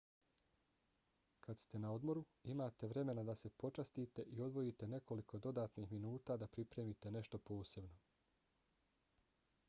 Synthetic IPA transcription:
kʰast̪e̞nao̞d̪mo̞ɾu | imaːt̪e̞ʋɾe̞me̞nad̪ase̞po̞t͡ʃast̪iːt̪e̞ʔio̞d̪ʋo̞it̪e̞ne̞ko̞liko̞d̪o̞d̪aːt̪nixminuːt̪aːd̪apɾipɾe̞ːmit̪e̞ne̞ʃt̪o̞po̞ːse̞bno̞

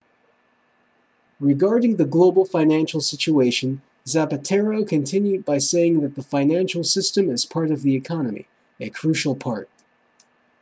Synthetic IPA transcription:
ɹɨɡɑɹɾɪ̃ŋðɨɡloʊbl̩ˠfãɪ̃næ̃nʃl̩ˠsɪt͡ʃueɪʃɨ̃n | zæpɨtʰɛɹoʊkʰɨ̃ntʰɪ̃njʉd̚baɪseɪɪ̃ŋðɨt̪̚ðəfãɪ̃næ̃nʃl̩ˠsɪstɨ̃mɨz̥pʰɑɹɾʌvðiɨkʰɑnɨmḭ | ɨkʰɹ̥ʉʃl̩ˠpʰɑɹt̚

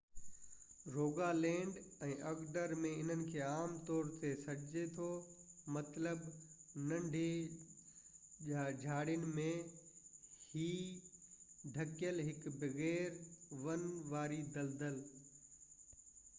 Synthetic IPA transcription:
ɾoːɡalɛ̃ːɳɖɛ̃ːʔɐɡɖəɾmẽɪn̤ənɪ̆kʰeːaːmt̪ɔːɾt̪esɐɾʱɪd͡ʑet̪ʰomɐt̪ləbnɐ̃ɳɖʱe | ʄad͡ʑʱaːɽjʊnɪ̆mẽ | hiː | d̪ʱɐkɪjəlɦɪkbɐɣɛːɾʋɐnʋaːɾid̪ɐld̪əl

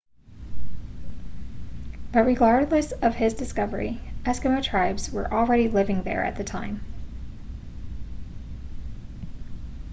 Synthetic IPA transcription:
b̥ʌt̚ɹɨɡɑɹdˡlɨsʌv̥ɪzdɨskʌvə˞ḭʔɛskɨmɨtʰɹ̥aɪbzwə̰˞ʔl̩ˠɹɛɾilɪvɪ̃ŋðə̰˞ɨ̰t̪̚ðɨtʰãɪ̃m

